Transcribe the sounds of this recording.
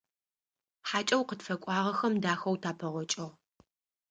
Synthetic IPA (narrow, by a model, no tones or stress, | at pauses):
ħaːt͡ʃʼɐwqətfɐkʷʼɑːʁɐxɐmdaːxɐwtʰaːpʰɐʁʷɔt͡ʃʼɐʁ